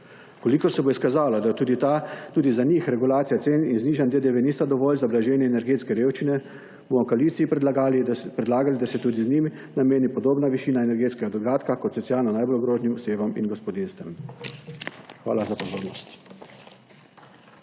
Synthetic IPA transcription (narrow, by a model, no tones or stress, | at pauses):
kolikɔɾsɛboiskazaːlad̪at̪uːd̪it̪at̪uːd̪izanixɾɛɡulaːt̪sijat̪seːninzniːʒanʲd̪ed̪eʋeniːst̪ad̪ɔʋɔːlzablaʒɛːnjɛɛnɛɾɡeːt̪skɛɾeːwʃt͡ʃinɛ | bomɔkoaliːt̪siip | pɾɛd̪laːɡalid̪asɛt̪uːd̪iznimi | nameːnipɔd̪oːbnaʋiʃiːnaɛnɛɾɡeːt̪skɛɡad̪ɔɡaːt̪kakɔt̪sɔt̪sijaːlnɔnajbolɡɾoːʒnimɔseːʋɔminɡɔspɔd̪inst̪ɛm | xʋa̰ːlazapɔzoːɾnɔst̪